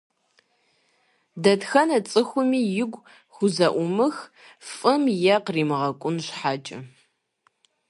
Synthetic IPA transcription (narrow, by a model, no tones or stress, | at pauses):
dɐtxɐnɐt͡sʼɨxʷʊmiːjɪɡʷ | xʷʊzɐʔʷʊmɨx | fʼɨmjɛqriːmɨʁɐkʷʼʊnɕħaːt͡ʃʼɐ̰